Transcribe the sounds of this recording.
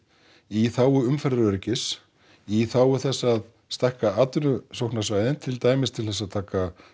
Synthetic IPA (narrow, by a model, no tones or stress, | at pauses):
iθaːwʏʏmfɛɾðɪœɾcɪs | iθaːwʏθɛsːað | st̪ahkaaːt̪ʏnʏsowknasvaːjðɪnt̪ʰɪlt̪aːjmɪst̪ʰɪlθɛs̬ːaðt̪ʰaːka